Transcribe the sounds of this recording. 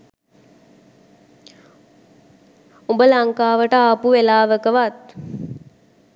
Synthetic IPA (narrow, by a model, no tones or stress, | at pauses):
umbəlaŋkaːʋəʈəapuʋelaːʋəkəʋat̪̚